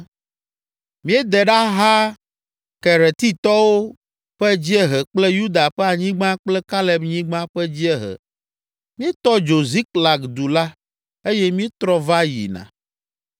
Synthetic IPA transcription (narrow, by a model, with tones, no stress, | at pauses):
mĩ˦e˦d̪ɛ˨ɖa˦ɦa˦ | kɛ˨ɾɛ˨t̪i˦t̪ɔ˦wo˦ | ɸɛ˦d͡ʑi˦ɛ˦ɦɛ˨k͡plɛ˦ju˦d̪a˨ɸɛ˦a˨ɲĩ˦ɡ͡bã˦k͡plɛ˦ka˦lɛ˨bɲĩ˦ɡ͡bã˦ɸɛ˦d͡ʑi˦ɛ˦ɦɛ̰˨ | mĩ˦e˦t̪ɔ˦d͡ʒo˨zi˦kla˨kd̪u˨la˦ | e˦jɛ˦mĩ˦e˦t̪ɾɔ˦va˦jḭ˨nã̰˨